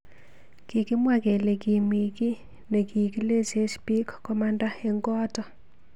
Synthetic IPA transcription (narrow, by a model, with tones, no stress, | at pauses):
kɪ˨kɪ˦mwa˦˨kɛ˨le˨ki˨mi˨ki˦ | ne˨ki˨ki˦le˦se˦spi˦kːɔ˦ma˦nda˦e˨ŋɡɔ˦tɔ˨